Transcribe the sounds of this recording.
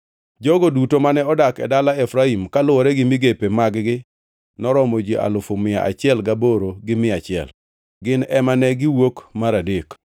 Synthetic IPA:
d͡ʒɔɡodutomanɛɔdakɛ̰dalaɛfɾaimkalʊɔɾɛɡɪmiɡepemaɡɡɪ | nɔɾɔmod͡ʒiʔa̰lʊfʊmɪa̰ʔa̰t͡ʃɪɛlɡaboɾoɡɪmɪat͡ʃɪɛ̰l | ɡɪnɛmanɛɡɪwokmaɾadek

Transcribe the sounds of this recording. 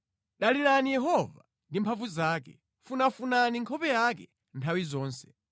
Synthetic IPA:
ɗaliɾanijɛɦɔva | ndimpʰavuzaːkɛ̰ | funafunaniŋkʰɔpɛjakɛ | ntʰawizɔːnsɛ̥

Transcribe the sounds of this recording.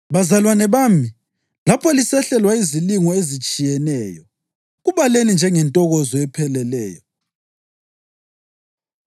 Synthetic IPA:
βazalwanɛβami | lapʰɔlisɛɬɛlwaiziliŋɔezit͡ʃʼijɛnɛːjɔ | ɣuβalenind͡ʒʱɛŋɛntʼɔɣɔzɔɛpʰɛlɛlɛ̰ːjɔ

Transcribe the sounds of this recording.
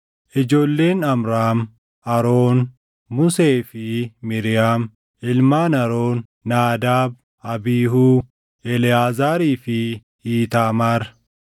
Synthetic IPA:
ʔɪd͡ʒo̞ːlːe̞ːnɐmɾaːm | ʔɐɾoːnː | ʊseːfɪmɪɾɪjaːm | ʔɪlmaːnɐɾoːnː | aːd̪aːb̚ | ɐbiːɦuː | ʔɛlɪaːzaːɾiːfɪ | iːt̪aːmaːɾ

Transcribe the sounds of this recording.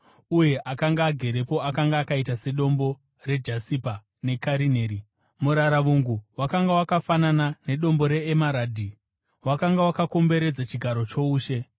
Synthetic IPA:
uje̞ʔakaŋɡaːɡʱe̞ɾe̞po̞akaŋɡaːkaitase̞ɗo̞mbo̞ | re̞d͡ʒasipa | ne̞kaɾine̞ːɾi | muɾaɾaʋuŋɡuwakaŋɡawakafananane̞ɗo̞mbo̞ɾe̞ːmaɾaːdʱi | wakaŋɡawakako̞mbe̞ɾe̞d͡zat͡ʃiɡʱaɾo̞t͡ʃo̞uːʃe̞

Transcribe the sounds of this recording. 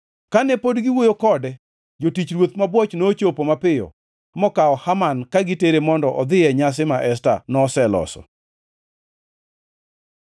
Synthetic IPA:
kanɛpodɡɪwojokɔdɛ | d͡ʒotit͡ʃɾwot̪mabwɔt͡ʃnoːt͡ʃopomapɪjɔ̰ | mɔkaɔhamankaɡɪteɾemɔndɔʔɔd̪ɪɛɲas̬ɪmaʔɛsta̰nɔsɛlɔ̰sɔ̰

